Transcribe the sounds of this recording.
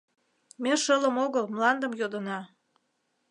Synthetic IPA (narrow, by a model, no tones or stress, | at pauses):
meʃələmoɣəlmlɑnd̪əmjod̪ənɑ